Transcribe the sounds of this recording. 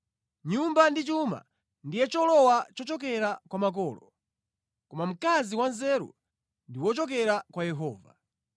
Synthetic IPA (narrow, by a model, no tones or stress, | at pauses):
ɲumbandit͡ʃuma̰ | ndijɛt͡ʃɔlɔwat͡ʃɔt͡ʃɔk̬ɛɾakwamak̬ɔːlɔ | kɔmam̩kaziwanzɛɾṵ | ndiwɔt͡ʃɔkɛɾakwajɛɦɔːva̰